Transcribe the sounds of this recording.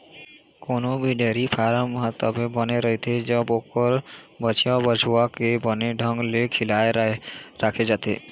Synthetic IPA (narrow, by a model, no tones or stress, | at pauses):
konobʱiɖeɾipʰaɾamɦat̪ɔbebɔneɾɔɦit̪ʰed͡ʑɔbokɔɾ | bɔt͡ʃiabɔd͡ʑʰuakebɔneɖʱɔŋɡlekʰilaeɾakʰed͡ʒat̪e